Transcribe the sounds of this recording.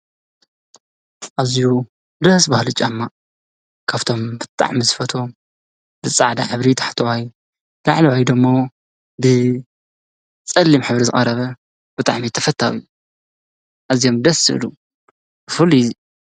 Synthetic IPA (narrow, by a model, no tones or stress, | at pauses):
ʔaziju | d̪ɐsbahlɨt͡ʃʼːamːa | kʰaβt̪ʰo̞mbɨt̪ʼa̰ʕmizɨfɐt̪ʰo | zɨt͡sʼːaʕd̪aħɨβɾit̪ʰḁħt̪ʰɐwaj | la̰ʕliʕajd̪ɨmːo | bɨ | t͡sʼɐlːimħɨβɾizɨχʼɐɾɐβɐ | b̥ɨt̪ʼa̰ʕmit̪ʰɐfɐt̪ʰːa̰wiju | ʔazijo̞md̪ɐsɨ̰ɨ̰lu | bɨfuli